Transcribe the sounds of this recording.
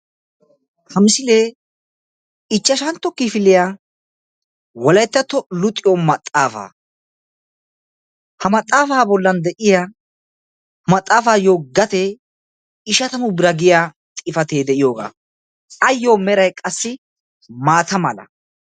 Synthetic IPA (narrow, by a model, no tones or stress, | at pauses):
hɐmɪsɪleː | ɪt͡ʃːɐʃɐnt̪ːɔkːɪfɪlɪjaː | wɔlɐjt̪ːɐt̪ːɔlʊt̪ʼːɪjomɐt̪ʼːaːfa̰ː | hɐmɐt̪ʼːaːfaːbɔlːɐnd̪ɛʔɪja | mɐt̪ʼːaːfaːjoːɡɐt̪e | ɪʃɐt̪ɐmʊbɾɐɡɪjaː | t̪ʼɪfɐt̪eːd̪ɛʔɪjoːɡa̰ː | ɐjːo̞ːmɛɾɐjkʼɐsːɪ | maːt̪ɐmɐlɐ̰